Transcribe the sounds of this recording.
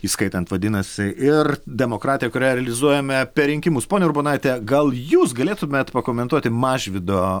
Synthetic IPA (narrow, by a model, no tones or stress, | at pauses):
iːskɐɪt̪ɐnt̪ʋɐd̪ʲɪnɐsʲɪʔɪrd̪ʲɛmoːkɾɑːt̪ʲɪjɛkʊɾʲæːjɛɾʲɛlʲɪzuɔjɛmʲɛpʲɛɾʲɪŋʲkʲɪmʊspoːnʲeɛʊɾbonɑɪt̪ʲɛɡɐlˠjuːsɡɐlʲeːt̪ʊmʲeːt̪pɐkoːmʲɛnt̪uɔt̪ʲɪmɑːʒʲʋʲɪd̪oː